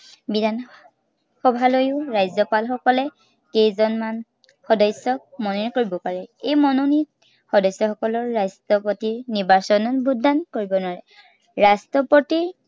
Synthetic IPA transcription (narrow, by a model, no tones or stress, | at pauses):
bidʱan | xɔbʱalojʊɹajzɔpalxɔkɔlɛ | kejzɔnman | xɔdɔjsɔk̚mɔnonikoɹibɔpaɹɛejmɔnonit̚ | xɔdɔjsːɔxɔkɔlɔɹːastɔpotiɹniɹbasɔnɔnbʱudankoɹibɔnwaɹɛ | ɹastɔpotiɹ